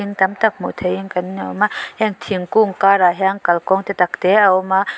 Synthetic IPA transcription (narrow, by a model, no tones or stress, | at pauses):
iŋt̪amt̪ak̚mo̰t̪ʰəjiŋkanɲa̰wmahɛŋt̪ʰiəŋkuŋkaɾaɦɛŋkalkɔŋt̪et̪akt̪eʔawma